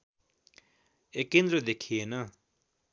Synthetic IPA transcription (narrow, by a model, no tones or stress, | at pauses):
ekːẽnd̪ɾʌd̪ekʰienʌ